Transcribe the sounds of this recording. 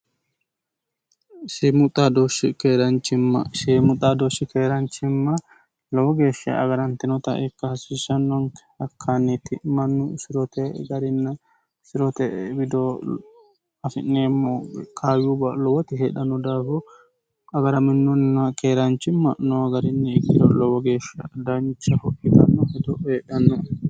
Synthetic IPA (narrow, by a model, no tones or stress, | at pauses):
sɪmʊt̪ʼad̪ɔʃɪkeːɾɐnt͡ʃːɪmːɐ̰semʊt̪ʼːaːd̪ɔʃːɪkeːɾɐnt͡ʃːɪmːɐ | lɔwɔɡe̞ːʃːɐ̰ɐ̰ɡɐɾɐnt̪ɪnɔt̪ɐ̰ʔɛkːɐhɐsiːʃɐnːɔn | ɐkʰːanːɛt̪ɪmɐnːʊsɪɾɔt̪ɛɡɐɾɪnːɐ | sɪɾɔt̪ɛbɪd̪ɔ | ɐfɪ̰nːeːmːɔkʰaːjubɐlɔwɔt̪ɪɦeːᶑɐnːɔd̪aːfɔ | ɐɡɐɾɐmɪnːɔnːɐkeːɾɐnt͡ʃːɪmːɐnɔɡɐɾɪnːɪːkːɪd̪ɔlɔwɔɡe̞ːʃːɐ̰d̪ɐɲɪt͡ʃːɐhɔʔːɪt̪ɐnːɔhɛd̪ɔeːʔɐnːɔ